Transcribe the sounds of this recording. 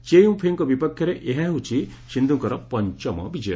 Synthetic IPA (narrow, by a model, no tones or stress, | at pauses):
t͡ʃejumpʰeŋkɔbipɔkʰːjɔɾeʔeɦãɦut͡ʃʰi | ʃind̪ʱuŋkɔɾɔpɔɲt͡ʃɔmɔ̰bid͡ʒɔj